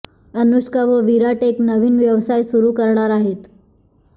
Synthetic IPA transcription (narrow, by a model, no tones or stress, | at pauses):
ənuɕkaʋəʋiɾaʈeknəʋiːnʋjəʋsajsuɾukəɾɳaɾaɦet̪